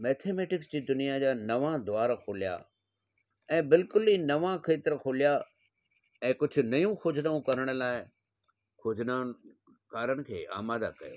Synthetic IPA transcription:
mɛːt̪ʰeːmeːʈɪksd͡ʑiːd̪ʊnijad͡ʑaːnɐʋãd̪ʊʋaːɾkʰoːlija̰ | ɛ̃ːbɪlkʊliːnɐʋãkʰeːt̪ɪɾkʰoːlija | ɛ̃ːkʊd͡ʑʱʊ̆nɐjũxʰʊd͡ʑʱnaũkɐɾəɽ̃ə̆laːɪ | kʰʊd͡ʑʱnan | kaːɾənɪ̆kʰḛːʔa̰ːmaːd̪a̰kɐjḛː

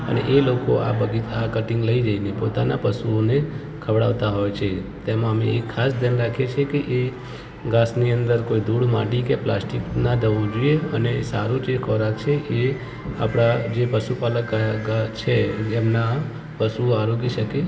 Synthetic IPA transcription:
ə̰nḛʔelokoa̰bəɡit̪akəʈɪŋɡləid͡ʒainepot̪anapəsuone | kʰəʋɽa̰ʋt̪aɦojt͡ʃʰet̪emãəmeːkʰːasd̪janɾakʰet͡ʃʰekeʔe | ɡasniənd̪əɾkoid̪ʱuɽma̰ʈikeplasʈiknad̪əʋõd͡ʒoieənesaɾũd͡ʒekʰɔɾak̚t͡ʃʰeʔe | a̰pɽ̃ad͡ʒepəʃupaləkːat͡ʃʰeːmna | pəsuoaɾoɡiʃəke

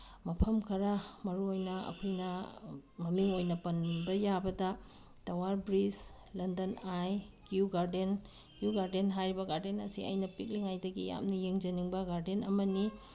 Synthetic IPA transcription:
mɐpʰɐmkʰɐɾamɐɾuojnɐɐ̰kʰojnɐmɐmiŋojnɐpɐnbɐjabɐdɐ | tɐwaɾbɾis | lɐndɐnajkijuɡaɾden | kjuɡaɾdenɦajɾibɐɡaɾdenɐ̰siɐ̰jnɐpik̚liŋajdɐɡija̰mnɐjeŋd͡ʒɐniŋbɐɡaɾdenɐmɐni

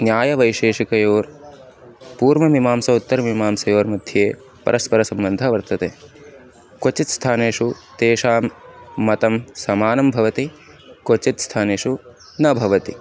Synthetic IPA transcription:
njaːjɐʋɐjʃeːʂikɐjoːɾ | puːɾʋɐmimaːmsɐut̪ːɐɾɐmimaːmsɐjoːɾmud̪ʱjeː | pɐ̰ɾɐspɐɾɐsɐmbɐnd̪ʱɐʋɐɾt̪ɐt̪eː | kot͡ʃit̪st̪ʰaːneːʂut̪eːʃaːmːɐt̪ɐmsɐmaːnɐmbʱɐʋɐt̪i | kot͡ʃit̪st̪ʰaːneːʂu | nɐbʱɐʋɐt̪i

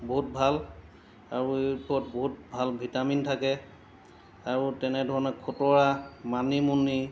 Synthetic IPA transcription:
boɦut̚bʱal | aɹuepɔɔt̚boɦut̚bʱalbʱitamintʰakɛ | aɹutɛnɛdʱɔɹɔnɛkʰotɔɹamanimunːi

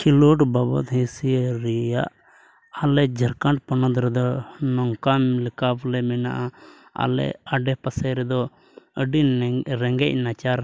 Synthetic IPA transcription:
kʰiluʈbabɔ̰t̪ɦisiɾɛja̰ʔ | alɛd͡ʒʱəɾkaɳʈpɔnɔd̪ɾɛd̪ɔnɔŋkamilkaplɛmɛnaʔa | a̰lɛ̰aɖɛpasɛɾɛd̪ɔ | əɖiɾɛŋɡɛc̚ˀnat͡ʃaɾ

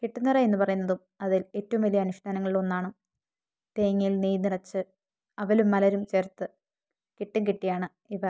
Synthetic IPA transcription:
kiʈːunːirɐe̞nːɨpɐrɐjunːɐðum | ɐðile̞ːtːɐʋumʋɐlijɐːnuʂʈaːnɐŋːɐɭiɭo̞nːaːɳu | t̪eːŋːijilniːniɽɐt͡ɕːɨ | ɐʋɐlumːɐlɐɾumt͡ɕert̪ːɨ | kiʈːuŋkiʈːijaːɳɨ | iʋɐ

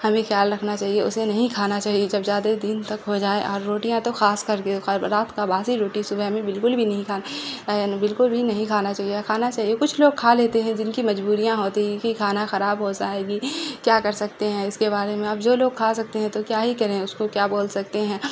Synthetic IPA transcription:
hɐmẽxjaːlɾɐkʰnat͡ʃaːɦieʊ̰senɐɦĩkʰaːnat͡ʃaːɦied͡ʒɐbzjaːd̪ad̪ɪnt̪ɐkɦod͡ʒaːeʔɔːɾːoːʈijãt̪oxaːskɐɾkeɾaːt̪ʰkabaːsiɾoːʈisʊbʱɛɦmẽbɪlkʊlbʱinɐɦĩkʰaːnbɪlkʊlbʱinɐɦĩkʰaːnat͡ʃaːɦiekʰaːnat͡ʃaːɦijekʊt͡ʃʰloːɡ̚kʰaleːt̪eɦɛ̃d͡ʒɪnkimɐd͡ʒbuːɾijãɦoːt̪iɦikikʰaːnaxɐɾaːbɦod͡ʒaːeːɡiːkjaːkɐɾsɐkt̪eɦɛ̃ɪskeβaːɾemẽaːpd͡ʒoːloːɡ̚kʰasɐk̚t̪eɦɛ̃t̪okjaːɦikɐɾẽʊskokjaːboːlsɐk̚t̪eɦɛ̃ː

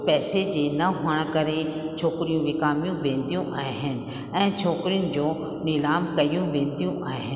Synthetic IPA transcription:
pɛːsed͡ʑeːnɐɦoəɽ̃kɐɾet͡ʃʰoːkɾijũʋɪkaːmjũʋẽːnd̪ijũʔaːeɦɪnɪ̆ | ɛ̃ːt͡ʃʰoːkɾijʊnɪ̆d͡ʑoː | nɪlaːmkɐijũʋẽːnd̪ijũʔaːeɦɪn

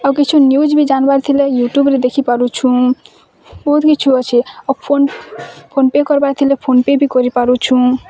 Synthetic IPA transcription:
akit͡ʃʰunjud͡ʒbʱid͡ʒanbaɾt̪ʰilejuʈjubɾed̪ekʰipaɾut͡ʃʰũ | bɔɦut̪kit͡ʃʰuɔt͡ʃʰeapʰonpʰonpekɔɾbaɾt̪ʰilepʰonpebʱikɔɾipaɾut͡ʃʰũ

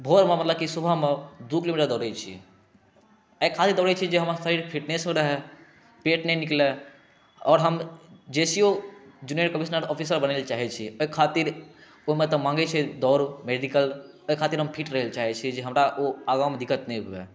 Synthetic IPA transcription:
bʱoɾmemət̪ləb̚kisubʱaɦmed̪ukilomiʈəɾd̪ɔɾɛt͡ʃʰḭ | ɛkʰat̪iɾd̪ɔɾɛt͡ʃʰid͡ʒeɦəmasəɾiɾpʰiʈnesmeɾəɦɛ | peʈnɛnikle | ɔːɾɦəmd͡ʒesiod͡ʒunieʈkəmisnəɾɔpʰisəɾbənelt͡ʃaɦɛt͡ʃʰioikʰat̪iɾ | omet̪ɔmãŋɡɛt͡ʃʰɛd̪ɔɾmeɖikəl | oikʰat̪iɾɦəmpʰiʈɾəɦelt͡ʃaɦɛt͡ʃʰid͡ʒeɦəmɾaʔoaɡawmed̪ikət̪nɛjbuḛ

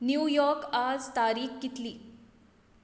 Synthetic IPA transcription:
njuːjɔɾkad͡zt̪aɾiːxkit̪liː

